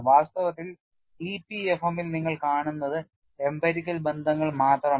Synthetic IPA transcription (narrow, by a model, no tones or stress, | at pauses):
ʋaːst̪ɐʋɐt̪ːil | ipːiefɐmilniŋːɐɭkaːɳunːɐðɨ | embɐɾikʲːɐlbe̞nd̪ʱɐŋːɐɭmaːt̪rɐ